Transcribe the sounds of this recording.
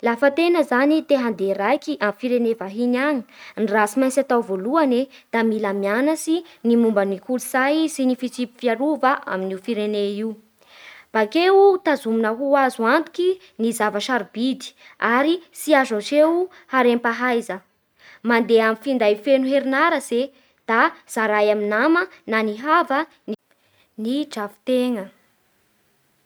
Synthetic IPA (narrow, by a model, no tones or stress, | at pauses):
lafət̪enəzanit̪eɦand̪erajkiʔamfiɾenevaɦinaŋinirasimajnt͡sat̪awvoluaned̪̥amilamianasinimumbənikuluz̥ajsinifit͡sipi̥fiaɾuvəʔa̰minifiɾeneiw | b̥akewut̪azuminəɦuazuant̪u̥ki | nizavaʃaɾibid̪i̥aɾisiazat͡ʃew | haɾempaɦajzə | mand̪eamifind̪ajfenuɦeɾinaɾəz̥e | d̪̥az̥aɾajaminamənaniɦavə | ni | nid͡ʒavi̥t̪eŋə